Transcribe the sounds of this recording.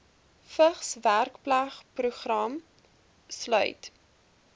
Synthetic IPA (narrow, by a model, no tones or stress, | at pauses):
fəχsværkplæχpruχrɐm | slœ̰ɥt